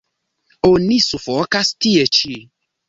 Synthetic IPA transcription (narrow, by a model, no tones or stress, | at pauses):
onĩsufɔkast̪iet͡ʃi